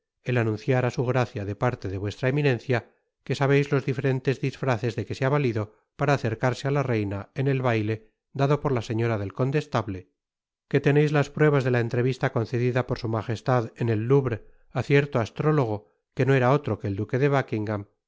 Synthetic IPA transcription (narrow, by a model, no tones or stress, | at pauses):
e̞lanũnθjaɾasuɣ̞ɾaθjaðe̞paɾt̪e̞ðe̞βwe̞st̪ɾaeminẽ̞nθja | ke̞saβe̞jzlo̞zðife̞ɾe̞nt̪e̞zðisfɾaθe̞zðe̞ke̞seaβaliðo̞ | paɾaːθe̞ɾkaɾse̞alare̞jnaene̞lβajle̞ | d̪aðo̞po̞ɾlase̞ɲo̞ɾaðe̞lko̞nt̪e̞st̪aβle̞ | ke̞t̪e̞ne̞jzlaspɾwe̞β̞azðe̞lae̞nt̪ɾe̞βist̪ako̞nθe̞ðiðapo̞ɾsumaxe̞st̪aðene̞lːuβɾ | aθje̞ɾt̪oast̪ɾo̞lo̞ɣ̞o̞ | ke̞noe̞ɾao̞t̪ɾo̞keːld̪uke̞ðe̞β̞akiŋɡam